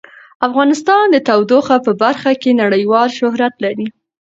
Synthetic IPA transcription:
afɣɑnɪst̪ɑnd̪ət̪awd̪oxapəbaɾxakenaɽəjwɑlʃʊɦɾat̪laɾi

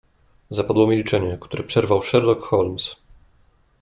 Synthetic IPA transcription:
zapad̪wɔmʲilʲit͡ʂɛɲɛkt̪uɾɛpʂɛɾvawʂɛɾlɔkxɔlms

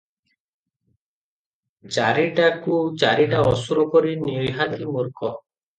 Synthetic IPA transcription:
d͡ʒaɾiʈakud͡ʒaɾiʈaɔsuɾɔkɔɾinɔjɦat̪imuɾkɔ

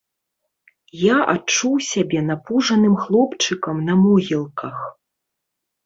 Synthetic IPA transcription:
jaʔa̰t͡ʂuwsʲabʲɛnapuʐɐnɨmxlˠɔpt͡ʂɨkɐmnɐmɔɣʲilˠkʰɐx

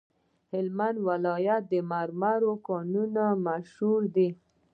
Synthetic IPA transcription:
hɪlmand̪walɑjat̪̚d̪əmaɾmaɾokɔnunamaʃhuɾd̪i

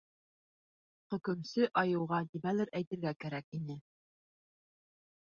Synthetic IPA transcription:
χɵ̆kɵ̆msɵʔɑjɤ̆wʁɑd̪iβælɘɾʔæjt̪ɘ̆ɾɡækæɾækinɘ

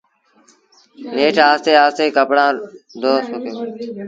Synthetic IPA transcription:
neːʈʰaːst̪eːaːst̪eːkəpɽãːd̪oːst̪okʰjõː

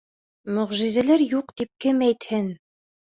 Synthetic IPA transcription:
mɵ̆ʁʒizælæɾjuqt̪ip̚kɘmæjt̪hɘn

